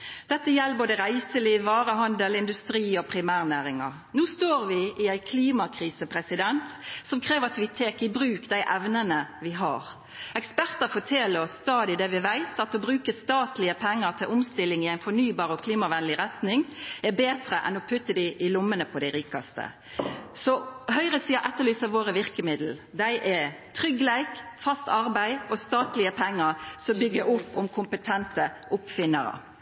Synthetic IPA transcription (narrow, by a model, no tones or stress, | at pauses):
d̪̥ɛt̪ːəjɛlːboːd̪əʁæɪsəliːʋːɑːɾəɦɑnd̪əlɪnd̪ʉst̪ɾiːɔpʰɾɪmæːʁnæːɾɪŋɑ̰ʁ | nuːst̪oːʁʋɪʔɪæɪkʰliːmɑkʰɾiːsəpʰɾɛsɪd̪ɛnt̪sɔmkʰɾeːʋəɾɑt̪ʋɪt̪ʰeːkɪbɾʉːkd̪æɪʔɛʋnənəʋɪɦɑ̰ɾ | ɛkspæʁt̪əfɔʈʰeːləɔsːt̪ɑːd̪ɪd̪ɛʋɪʋæɪt̪ɑt̪̚ɔbɾʉːkəst̪ɑːt̪lɪəpʰɛŋːəʁt̪ʰɪlʔʊmst̪ɪlːɪŋɪæɪnfɔnyːbɑːɾɔkʰliːmɑʋɛnəlɪɾɛt̪nɪŋɛbeːt̪ɾəʔɛ̰nɔpʰʉt̪ːəd̪ɪʔɪlʊmːənəpʰɔd̪æɪɾiːkɑ̰st̪ə̰ | sɔhœʏʁəsiːɑʔɛt̪ːəʁlyːsɑʋoːɾəʋɪɾkəmɪd̪l̩d̪æɪʔɛt̪ʰʁʏɡlæɪkfɑst̪ɑʁbæɪɔst̪ɑːt̪lɪəpʰɛŋːəɾsɔmbʏɡːəʊpːʊmkʰʊmpət̪ʰɛnt̪əʔʊpfɪnːə̰ɾə̰